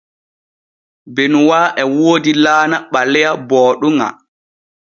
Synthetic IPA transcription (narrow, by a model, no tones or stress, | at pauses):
bɛnwaːʔɛwoːdilaːnaɓalːɛjabɔːɗuŋa̰